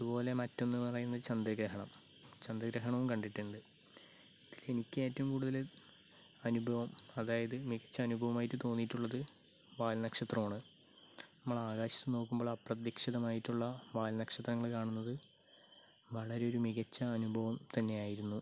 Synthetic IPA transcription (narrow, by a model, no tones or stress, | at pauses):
iðupo̞ːle̞mɐtːo̞nːunɐrɐjunːɐðt͡ɕɐnd̪ɐɡɾɐɦɐɳɐmt͡ɕɐnd̪ɐɡɾɐɦɐɳɐʋumkɐɳɖiʈːuɳɖɨ | iile̞nikʲːɨmeːtːɐʋumkuːɽuðɐl | ɐnubʱɐʋɐmɐðaːjɐðɨmiɣɐt͡ɕːɐːnubʱɐʋɐmaːjitːɨt̪o̞ːnːiʈːuɭːɐðɨʋaːlnɐkʂɐt̪rɐmaːɳɨ | nɐmːɐɭaːɣaːɕɐ̥t̪ːɨno̞ːkːumbo̞ːɭɐprɐt̪jikʂiðɐmaːjitːuɭːɐʋaːlnɐkʂɐt̪rɐŋːɐɭkaːɳunːɐðɨ | ʋɐɭɐɾe̞o̞ɾumiɣɐt͡ɕːɐːnubʱɐʋɐmt̪ɐnːe̞jaːjiɾunːu